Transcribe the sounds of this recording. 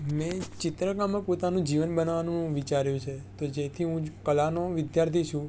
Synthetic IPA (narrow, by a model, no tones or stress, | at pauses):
mɛ̃t͡ʃɪt̪ɾəɡamːẽpot̪anũd͡ʒiʋənbənʋanũʋit͡ʃaɾjũt͡ʃʰet̪od͡ʒet̪ʰiɦũkəlanoʋɪd̪jaɾt̪ʰit͡ʃʰũ